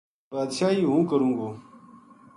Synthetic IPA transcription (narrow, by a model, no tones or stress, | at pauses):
baːd̪ʃaːɦiːɦũːkəɾũːɡoː